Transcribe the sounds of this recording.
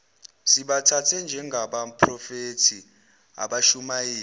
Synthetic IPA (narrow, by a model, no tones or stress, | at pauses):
siɓatʰatʰɛnd͡ʒʱɛŋɡʱaɓapʰrɔfetʰi | a̰ɓaʃumajiː